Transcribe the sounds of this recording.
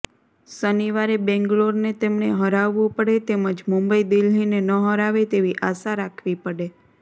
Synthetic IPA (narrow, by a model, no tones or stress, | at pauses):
səniʋaɾebɛ̃ŋɡɭoɾnet̪emɳeɦəɾaʋːũpəɽet̪eməd͡ʒmũmbəid̪ilinenəɦəɾaʋet̪eʋiʔasaɾakʰʋipəɽe